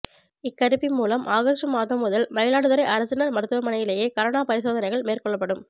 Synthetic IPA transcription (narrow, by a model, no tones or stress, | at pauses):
ɪkːɐɾɯpːɪmːuːlɐmʔaːɣɐsʈrɯmaːðɐmːʊðɐlmɐjɪlaːɽɯðɐɾɐɪʔɐɾɐsɐnɐɾmɐɾɯt̪ːɯʋɐmɐnɐjɪleːjeːkɐɾɐnaːpɐɾɪsoːðɐnɐɪɣɐɭmeːrkɔɭːɐpːɐɽɯm